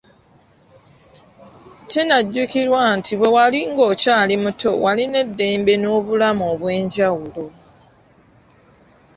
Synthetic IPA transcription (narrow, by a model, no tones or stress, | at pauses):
cenaɟːukiɾwantʰiβwe̞waliŋɡo̞ːcaːlimutʰo̞waline̞dːe̞ːmbe̞no̞ːβulamoːβwe̞ːɲɟawulo̞